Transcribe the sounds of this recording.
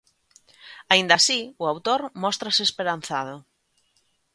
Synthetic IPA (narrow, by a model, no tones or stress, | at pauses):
aind̪asiʊawt̪oɾmɔst̪ɾaseːspeɾan̟θaðʊ